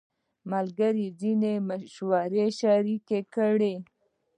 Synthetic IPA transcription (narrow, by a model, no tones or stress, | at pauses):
malɡaɾizinemaʃwaɾeʃaɾikekəɽe